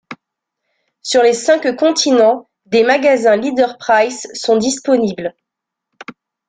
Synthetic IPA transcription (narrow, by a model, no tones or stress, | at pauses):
syʁlesɛ̃kkɔ̃t̪ʰinɑ̃ | d̪emaɡazɛ̃lid̪œʁpχajzːɔ̃d̪ispɔnibl